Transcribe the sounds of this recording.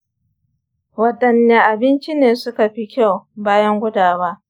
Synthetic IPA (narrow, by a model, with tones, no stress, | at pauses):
wɐ˨ɗʼɐ˨nːeː˨ʔa˨bɪ˦nt͡ʃi˦neː˨sʊ˦ka˨ɸi˦kʲa˦˨wbaː˦jɐ˦ŋɡʷʊ˦daː˨waː˦ʔ